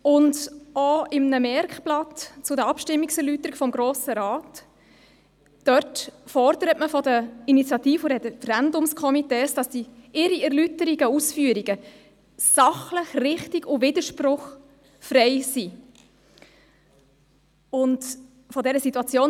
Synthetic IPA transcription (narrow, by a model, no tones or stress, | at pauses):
ʊndoɪmnəmɛɾkplɑtt͡sʊdəɑpʃtɪmːiksɛɾlytəɾiɡ̥fɔmɡɾoːsəɾaːt | œɾtfɔrd̥əɾətməfɔdəinit͡sjɑtiːfuɾɛfəɾændʊmskʰɔmiteːsd̥ɑsd̥iɪɾiɛɾlytəɾiɡ̥əusfyəɾiɡə | sɑχləχrɪχtiɡʊvɪdəʃpɾʊχ | fɾɛɪsi | ʊnt | fɔdɛɾəsitːuɑt͡sjoːn